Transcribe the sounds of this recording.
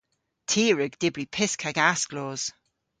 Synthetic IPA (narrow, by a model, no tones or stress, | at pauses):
tʰiːɹəɡd̥ɪbɹipʰɪskʰaɡaskloːz̥